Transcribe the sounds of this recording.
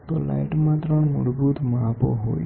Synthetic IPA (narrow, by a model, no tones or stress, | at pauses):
t̪ola̰iʈmãt̪ɾəɳmṵɾbut̪mãapo̰ɦo̰j